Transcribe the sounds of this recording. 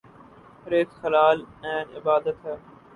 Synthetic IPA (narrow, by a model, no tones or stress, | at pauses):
ɾeːt̪xəlaːlnɛ̃ːnɪbaːd̪ət̪ɦɛ